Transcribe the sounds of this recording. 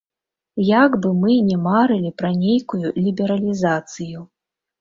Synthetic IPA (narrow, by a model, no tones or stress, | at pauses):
jaɡbɨmɨnʲɛmaɾɨlʲipɾɐnʲejkujulʲibʲɛɾɐlʲizat̪sɨju